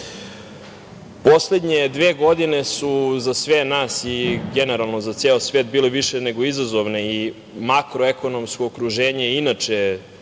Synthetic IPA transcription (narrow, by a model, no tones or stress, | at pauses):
po̞sled̪ɲed̪ʋeːɡo̞d̪ine̞suzasʋenaːsiɡeneɾalˠno̞zat̪seːosʋeːt̪̚biːleʋiʃene̞ɡo̞izazoʋnei | makɾoeko̞no̞mskoːkɾuʒeːɲeinat͡ʃe